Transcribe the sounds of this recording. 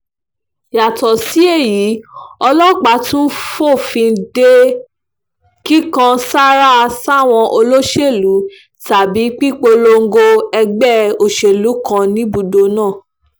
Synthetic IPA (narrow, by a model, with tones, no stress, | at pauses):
ja˨tɔ˨si˨˦e˦˨ji˨˦ɔ˧lɔ˦˨k͡pa˨˦tũ˦n̩˦fo˦˨fĩ˧n̩˦de˦ | ki˦kã˧sa˦ɾa˦˧sa˦˨w̃ɔ̃˧ʔo˧lo˦ʃe˦˨lu˨˦ | ta˨bi˨˦k͡pi˦k͡po˧lo˧ŋ̩˦ɡo˧ɛ˧ɡ͡bɛ˦o˨ʃe˨lu˨˦kã˧nĩ˦bu˧do˧nãː˦˨